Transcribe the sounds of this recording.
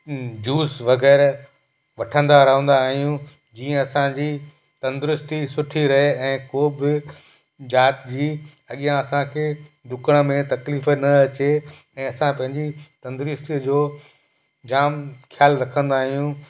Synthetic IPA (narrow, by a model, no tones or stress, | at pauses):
d͡ʑuːsʋɐɣɛːɾ | ʋɐʈʰə̃nd̪aɾɐɦə̃n̆d̪aːɦijũ | d͡ʑiːə̃ɐsãd͡ʑiː | t̪ɐ̃nd̪ʊɾʊst̪isʊʈʰiɾɐɦeɛ̃ːkoːbɪ | d͡ʑaːʈd͡ʑiː | ɐɠijãɐsãkʰeːd̪ʊkəɽ̃mẽt̪ɐkliːfənɐɐt͡ɕe | ɛ̃ːɐsãpɐ̃ɦɪ̃ɲd͡ʑit̪ɐ̃nd̪ɾɪst̪id͡ʑoː | d͡ʑaːmkʰjaːlɾɐkʰə̃nd̪aːɦijũ